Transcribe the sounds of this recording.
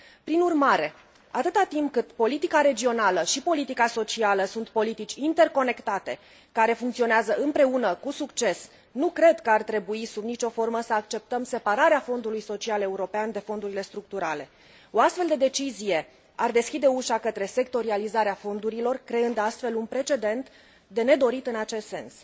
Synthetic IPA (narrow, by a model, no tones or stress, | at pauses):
pɾinurmaɾe̞ | at̪ɨt̪at̪impkɨt̪po̞lit̪ikaɾe̞d͡ʒio̞naləʃipo̞lit̪ikaso̞t͡ʃialəsunt̪po̞lit̪it͡ʃʲint̪e̞rko̞ne̞kt̪at̪e̞ | kaɾe̞fuŋkt̪sio̞neazəʔɨmpɾe̞unəkusukt͡ʃe̞s | nukɾe̞d̪kəart̪ɾe̞buisubnit͡ʃo̞fo̞rməsəakt͡ʃe̞p̚t̪əmse̞paɾaɾeafo̞nd̪ulujso̞t͡ʃiale̞uɾo̞peand̪e̞fo̞nd̪uɾile̞st̪ɾuk̚t̪uɾale̞ | o̞ast̪fe̞ld̪e̞d̪e̞t͡ʃizije̞ | ard̪e̞skʲid̪e̞uʃakət̪ɾe̞se̞kt̪o̞ɾializaɾeafo̞nd̪uɾilo̞rkɾe̞ɨnd̪ast̪fe̞lunpɾe̞t͡ʃe̞d̪e̞nt̪ | d̪e̞ne̞d̪o̞ɾit̪ɨnat͡ʃe̞st̪se̞̰ns